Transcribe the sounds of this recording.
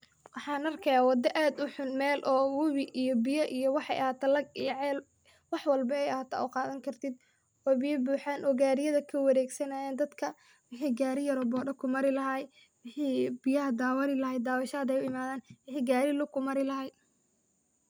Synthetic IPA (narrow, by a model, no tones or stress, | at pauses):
wɑħɑːnɐrkʰɐjaːwɑd̪ɐʔaːd̪ʊħʊnmɛːlʔɔːwʊβɪʔijɔbɪjɐʔijɔwɑħɑ̰jʔɐhaːt̪ʰɐlɐɡijʕɛːl | wɑħwɑlbɐɛjɐhaːt̪ʰa̰ːʔʊqɑːðɐŋkʰɐrt̪ʰɪd̪ | ɔːbɪjɐbuːħaːnʔɔːɡaːɾɪjɐðɐkʰɐwɐɾɛːɡsɐnaːjɛːnd̪ɐd̪kʰɐ | wɪħiːɡaːɾɪjɐɾɔbɔːɖɐkʰʊmɐɾɪlɐɦɐj | wɪħiːbɪjɐɦɐd̪aːwɐɾɪlɐɦɛjd̪aːwɑʃɐːɐd̪ɛjʊɪmaːðaːnwɪħiːɡaːɾɪlʊkʰʊmɐɾɪlɐɦɐj